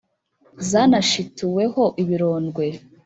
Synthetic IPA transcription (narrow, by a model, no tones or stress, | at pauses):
zaːnaʃituwe̞ho̞ʔiβiɾo̞ːnɡwe̞